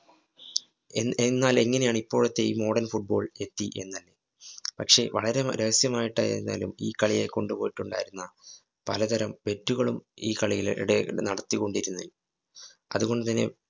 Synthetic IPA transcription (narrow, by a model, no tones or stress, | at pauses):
nːaːle̞ŋːɐne̞jaːɳipːo̞ːɭut̪ːe̞iːmo̞ːɽɐnfuʈ̚bo̞ːɭe̞t̪ːiʔe̞̰nːɐlːe | pɐkʂe̞ʋɐɭɐɾeɾeɣɐsjɐmaːjiʈːɐ̰j̰nːa̰ːlṵmiːkɐɭijeko̞ɳɖupo̞ːjiʈːuɳɖa̰ːjiɾunːɐ | pɐlɐt̪ɐɾɐmʋe̞tːuɣɐɭumiːkɐɭijilɽenɐɽɐt̪ːiko̞ɳɖiɾunːɐil | ɐðuɣo̞ɳɖɨt̪ɐnːe̞̰